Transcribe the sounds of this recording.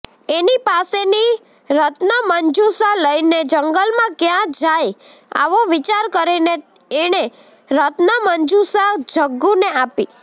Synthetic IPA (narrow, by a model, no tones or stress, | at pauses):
enipaseni | ɾət̪nəməɲd͡ʒusaləjned͡ʒəŋɡəlmãkjãd͡ʒaj | a̰ʋoʋit͡ʃaɾkəɾine | eɽ̃e | ɾət̪nəməɲd͡ʒusad͡ʒʱəɡːuneapi